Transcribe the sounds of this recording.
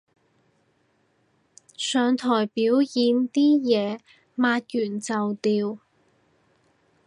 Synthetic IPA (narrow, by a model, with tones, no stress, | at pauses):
sœː˨˧ŋt̪ʰɔː˨˩jpiː˨˥wjiː˨˧nt̪iː˥jɛː˨˧ | maː˧t̚jyː˨˩nt͡sɐ˨wt̪iː˧w